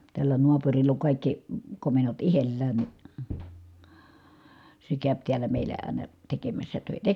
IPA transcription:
tælːæ noɑpurilː oŋ kɑˑikːi komenːot ihelːæːn ni se kæˑøp tiælæ meilæ ɑˑi̯nɑ tekemæsːæ tøˑitæ

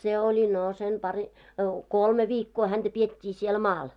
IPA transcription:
se olʲi no sen pɑri kolme ʋiːkːoː hænd̥æ pietʲːiː siel mɑːl

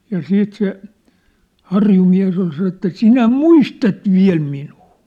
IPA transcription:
jɑ siːt se hɑrjumiæ̝s ol sɑnon ĕtˑæ sinæ muistɑt ʋiæ̝l minuː

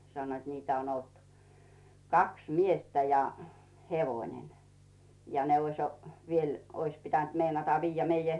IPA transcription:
sɑnːoit niːtæ on olt kɑks miestæ jɑ heʋoĭnen jɑ ne oĭs ʋiel ois pitænt meinɑtɑ ʋiːjːæ meijæ

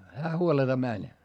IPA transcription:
hæː huoletɑ mænʲ

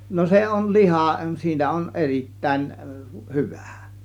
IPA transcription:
no se on lihɑˑ siːnæ on eritːæˑin hyʋæ̥ˑ

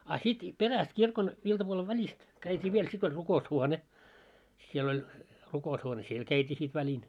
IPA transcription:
ɑ sit peræst kirkon iltɑpuole ʋælʲist kæitʲiː ʋiel sit olʲ rukoushuone siel olʲ rukoushuone siel kæitʲiː sit ʋælʲin

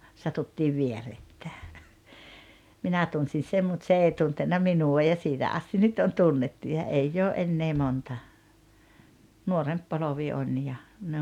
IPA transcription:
sɑtutːiːʋ ʋieretːæː minæ tunsin̞ sem mut se ei tuntenːɑ minuɑ jɑ siːtæ ʔɑsti nyt on tunːetːu jɑ eijː oː ʔenːeː montɑ nuoremp poloʋi on jɑ ne

